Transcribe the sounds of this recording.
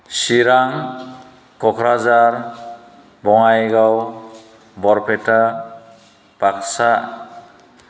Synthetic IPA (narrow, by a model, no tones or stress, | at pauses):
siɾaŋ | kɔkʰɾad͡ʒaɾ | bɔŋajɡaw | bɔɾpʰeta | b̥aksa